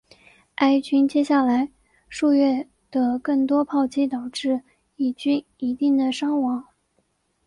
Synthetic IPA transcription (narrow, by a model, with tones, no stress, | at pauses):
a˥ɪt͡ɕy˥nt͡ɕjɛ˥ɕja˥˩la˧˥ɪ | ʂu˥˧ɥɛ˥˩ | d̪̥ə˩kɤ˥˩ŋt̪wɔ˥pʰɑ˥˩ʊt͡ɕi˥t̪ɑ˨˩ʊʈ͡ʂɻ̩˥˩ | i˥˩t͡ɕy˥n | i˧˥t̪i˥˩ŋd̪ə˩ʂɑ˥ŋwɑ˧˥ŋ